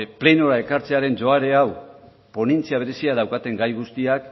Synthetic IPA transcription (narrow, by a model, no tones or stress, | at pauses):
ple̞noɾae̞kaɾt͡se̞aɾe̞nd͡ʒo̞aɾe̞aw | po̞nent͡siaβ̞e̞ɾe̞siaðawkat̪e̞ŋɡajɣ̞ust̪iak